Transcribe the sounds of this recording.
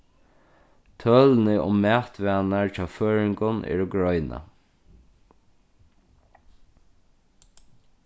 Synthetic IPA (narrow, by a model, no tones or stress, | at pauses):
t̪ʰœːlnɪʔʊ̰mːæːt̪ʋɛːnaɹt͡ʃaːføːɹɪŋkʊnʔɛ̰ːɹʊɡɹɔjna̰